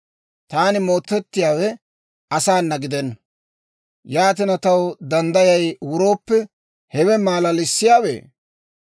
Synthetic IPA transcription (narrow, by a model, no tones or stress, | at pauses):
t̪aːnɪmo̞ːt̪ːɛt̪ːɪjaːwɛ | ɐsaːnːɐɡɪd̪ɛnː | jaːt̪ɪnɐt̪ɐwd̪ɐnd̪ɐjɐjwʊɾo̞ːpːɛ | hɛwɛmaːlɐlɪsːɪjaːwḛː